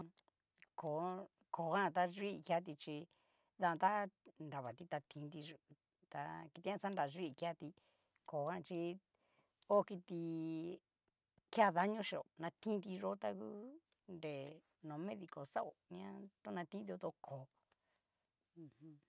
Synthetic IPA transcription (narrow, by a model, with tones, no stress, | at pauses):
ko˨ | ko˨ɣã˦˧t̪a˦ʐi˦˧kja˦t̪̬i˧t͡ʃi˧ | ðã˧t̪a˦nɾa˨βa˨t̪i˧t̪a˧t̪ʰĩ˧˦nd̪i˧ | t̪a̰˧ki˧t̪ĩ˧˦ɲã˦˧sa˦nda˧ʐi˦˧ka˧t̪i˧ | ko˨kã˦˧t͡ʃi˧ | o˦ki˧t̪i˧ | kja˦ða˦ɲõ˦ʃi˧o˨nã˧t̪ĩ˦nd̪i˧ʐo˦t̪a˧ku˦ | nɾe˨ | nõ˨˧mẽ˦ði˧ko˨sa˦ʔo˨ɲã˦t̪o˦nã˧t̪ĩ˦d̪i˧o˧t̪o˧kʰo˨˦˧ | hũ˦